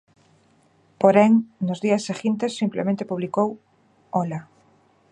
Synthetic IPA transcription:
poɾeŋnozðiasːeɣint̪esːimplemẽnt̪epuβlikow | ola

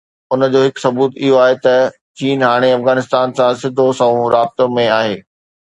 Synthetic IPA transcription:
ʊnə̆d͡ʑoːɦɪksɐbuːt̪ɪɦoaːɦet̪ɐ | t͡ɕiːnɦaːɽ̃eɐfɣaːnɪst̪aːnsãsɪd̪ʱosɐũɾaːb̚t̪õmẽaːɦeː

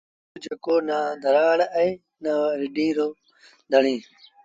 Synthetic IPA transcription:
ud͡ʒekoːnaːd̪ʱəɾaːɽɛ̃ː | naːɾɪɗĩːɾoː | d̪ʱəɳĩː

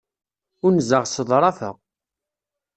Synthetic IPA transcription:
ʊɾnzəʁsəðˤɾˤɑfə̰ʁ

